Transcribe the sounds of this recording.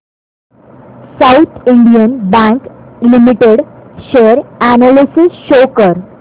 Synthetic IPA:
saut̪ʰiɳɖijənbæ̃ŋklimiʈeɽɕeəɾænalisisɕokəɾ

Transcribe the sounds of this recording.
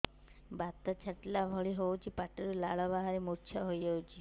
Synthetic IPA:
bat̪ɔt͡ʃʰəʈlabʱɔɭiɦout͡ʃʰipaʈiɾulaɭɔbaɦaɾemuɾt͡ʃʰjɔɦojd͡ʒəut͡ʃʰi

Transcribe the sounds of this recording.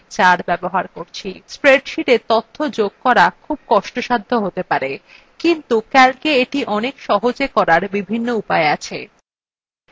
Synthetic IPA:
t͡ɕaɾbɛboɦaɾkoɾt͡ɕʰispɾeɖʃiʈet̪ot̪ʰːod͡ʑoɡ̚kɔɾakʰub̚kɔʃʈoʃad̪ʱːoɦot̪epaɾe | kint̪ukɛlkeeʈiʔɔnekʃɔɦod͡ʑekɔɾaɾbibʱinːoupaeat͡ɕʰe

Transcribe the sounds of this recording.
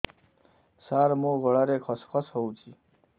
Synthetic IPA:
saɾmoɡʌɭaɾekʰʌskʰʌsɦowt͡ʃʰi

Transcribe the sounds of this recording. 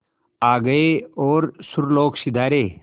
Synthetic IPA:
aːɡəeoːɾsʊɾloːksɪd̪ʱaːɾeː

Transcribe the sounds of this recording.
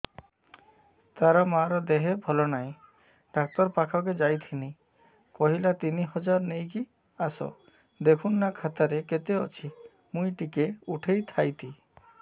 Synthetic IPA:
t̪aɾɔmaɾɔd̪eɦebʱɔlɔnaj̃ | ɖ̥ak̚t̪ɔɾpakʰak̬ed͡ʒajt̪ʰini | kɔɦilat̪iniɦɔd͡ʒaɾnejki | asɔ̰ | d̪ekʰunːakʰat̪aɾeket̪eɔt͡ʃʰi | mũjʈikeuʈʰejt̪ʰajt̪ʰi

